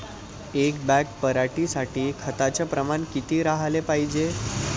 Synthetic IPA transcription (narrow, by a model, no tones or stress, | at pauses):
ek̚bæk̚pəɾaʈisaʈiːkʰət̪at͡ɕjapɾəmankit̪iːɾaɦalepaɦid͡ʑe